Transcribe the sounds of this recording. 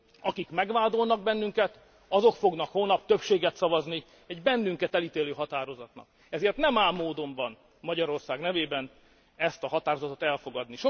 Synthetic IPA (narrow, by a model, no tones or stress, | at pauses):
ɒkikmɛɡʋaːd̪o̞lnɒɡ̚bɛnːyŋkɛt̪ | ɒzo̞kfo̞ɡnɒkhoːnːɒp̚t̪ø̞pʃeːɡɛt̪sɒvɒzni | ɛɟbɛnːyŋkɛt̪ɛlit̪eːløːɦɒt̪aːɾo̞zɒt̪nɒ̰k | ɛzeːrt̪nɛmaːmːoːd̪o̞ɱbɒn | mɒɟɒɾo̞rsaːɡnɛveːbɛn | ɛst̪ɒɦɒt̪aːɾo̞zɒt̪ot̪ɛlfo̞ɡɒd̪niʃo